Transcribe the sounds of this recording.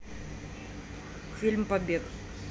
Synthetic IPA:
filmpabik

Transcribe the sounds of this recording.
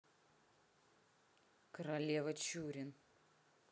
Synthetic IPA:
kɾɐlʲeːʋɐt͡ʃʲuːɾʲɪn

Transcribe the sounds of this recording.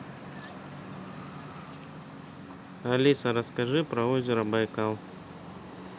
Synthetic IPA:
ɐlʲisɐɾɐskɐʐɨpɾɐozʲɪɾɐbɐjkalˠ

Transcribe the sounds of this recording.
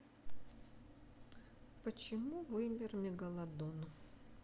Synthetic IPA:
pət͡ɕɪmuvɨmʲɪrmʲɪɡɐlˠɐd̪ɔnʊ

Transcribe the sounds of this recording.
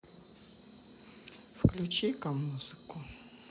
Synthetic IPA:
fklʲut͡ʃikɐmːuzɨkʊ

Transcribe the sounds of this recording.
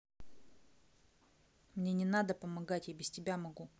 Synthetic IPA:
mnʲenʲɪnad̪əpəmɐɡatʲjabʲɪsʲtʲɪbʲamɐɡu

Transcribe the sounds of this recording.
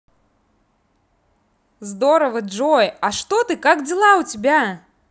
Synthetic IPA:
zd̪ɔɾɐvɐd͡ʐɔjɐʂt̪ɔt̪ɨkakd͡zʲilˠawt͡sʲabʲa

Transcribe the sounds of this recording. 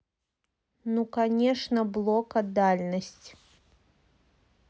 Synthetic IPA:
nukanʲɛʂnɐblˠɔkɐd̪alʲnɐsʲt͡sʲ

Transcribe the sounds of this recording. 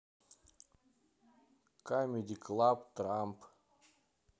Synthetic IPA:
kamʲed̪ʲiklˠapt̪ɾamp

